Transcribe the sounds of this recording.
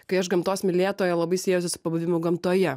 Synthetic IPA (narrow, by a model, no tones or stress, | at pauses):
kɐɪɐʃɡɐmt̪oːsmʲɪlʲeːt̪oːjɛlˠɐbɐɪsʲeːjʊsʲɪsʊ̥pɐbʊʋʲɪmʲʊɡɐmt̪oːjɛ